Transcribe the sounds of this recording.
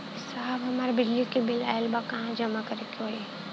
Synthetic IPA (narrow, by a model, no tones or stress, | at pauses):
saːbɦɐmaːɾebɪd͡ʒlikibɪla̰ːjlbakɐɦãd͡ʒɐmakɐɾekiɦoi